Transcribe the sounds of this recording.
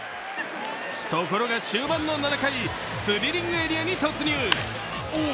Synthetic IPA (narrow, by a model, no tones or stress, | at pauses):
t̪oko̞ɾo̞ɡaɕɨːbãnːonanakai | sɨɾʲiɾʲĩŋɡɯeɾʲiaɲ̟it̪o̞t͡sɨɲʲɨː